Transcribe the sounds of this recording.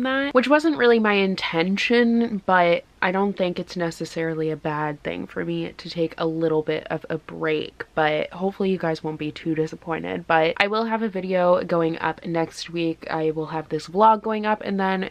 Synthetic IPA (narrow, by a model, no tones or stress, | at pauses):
nðæt̚wət͡ʃwʌzə̃nʔɹʔɪlˠimaɪɨ̃ntʰɛ̃nʃɨ̃nb̥ʌɾʔaɪɾõʊ̃nθɪ̃ŋkɨtsnɛsɨsɛɹl̩ˠiɨbæd̪̚θɪ̰̃ŋfə̰˞miɾʰɨtʰeɪkʰə̰lɪɾl̩ˠbɪɾʌ̰vəbɹeɪkb̥ʌt̚hoʊpfl̩ˠijɨɡaɪzwõʊ̃nb̥itʰʉɾɪsəpʰɔ̃ɪ̃ñɪ̰d̚b̥ʌt̚ʔaɪwɪlˠɨvɨvɪɾioʊɡoʊɪ̃ŋʌ̰pnɛkst̚wikʰa̰ɪwɪlˠəvðɪsb̥lɔɡoʊɪ̃ŋʌpɨ̰̃nðə̃n